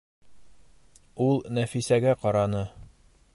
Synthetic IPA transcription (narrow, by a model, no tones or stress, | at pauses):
ulˠnæfisæɡæqɒɾɑnɤ